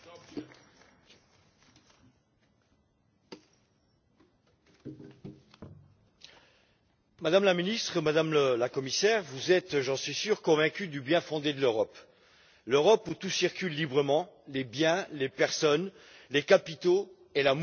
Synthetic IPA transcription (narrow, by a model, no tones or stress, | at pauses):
mad̪amlaminist̪χəmad̪amləlakɔmisɛʁvuzɛt̪ʒɑ̃sɥisyʁkɔ̃vɛ̃kʲyd̪ybjɛ̃fɔ̃d̪ed̪əløʁɔp | løʁɔput̪usiʁkʲylːibʁəmɑ̃lebjɛ̃lepɛʁsɔn | lekapit̪o | elam